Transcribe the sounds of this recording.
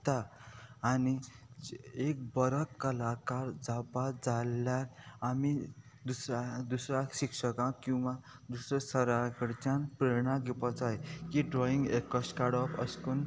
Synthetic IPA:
t̪aː | ni | ek̚bʌɾʌkːʌlakaɾd͡zapad͡zalːaːmi | d̪usɾad̪usɾasiksʌkãkũma | d̪usɾʌsʌɾaɡəɽt͡sanpɾeɽ̃ãɡipʌt͡sajkiɖɾɔĩŋɡekːʌskaɽɔpʌ̰skun

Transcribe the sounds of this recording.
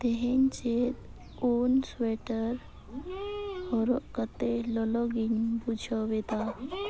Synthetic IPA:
d̪eɦent͡ɕet̪ | onsʋeʈəɾ | hɔɾokət̪elɔlɔɡinpud͡ʑʰʱɔʋet̪a

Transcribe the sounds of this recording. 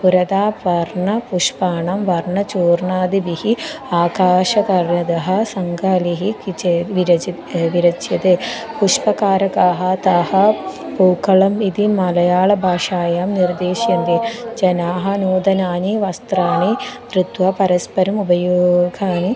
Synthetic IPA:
puɾɐd̪aːʋɐɾɳɐpuʂpaːɳɐmʋɐɾɳɐt͡ʃuːɾɳaːd̪ibihiaːkaːʂɐkɐɾjɐd̪ɐɦɐsɐŋɡʱaliɦikʋiɾɐ | ʋiɾɐt͡ʃjɐd̪epuʂpɐkaːɾɐkaːɦɐt̪ahɐpuːkɐɭɐmid̪imɐlɐjaːɭɐbʱaːʂaːjaːmniɾd̪eːʃjɐnd̪id͡ʒɐnaːɦɐnuːd̪ɐnaːniʋɐst̪ɾaːnid̪ɾit̪ʋɐpɐɾɐspɐɾɐmubɐjoːɡʱaːni

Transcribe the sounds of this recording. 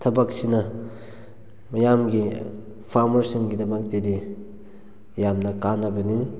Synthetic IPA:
tʰɐbak̚sinɐ | mɐjamɡi | pʰaɾmɐɾsiŋɡidɐbak̚tedi | jamnɐkanɐbɐni

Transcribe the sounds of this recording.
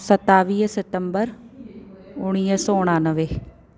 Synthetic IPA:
sət̪aːʋiːsɪt̪əmbəɾ | ʊɽ̃iːəsɔːʊɽ̃aːnəʋeː

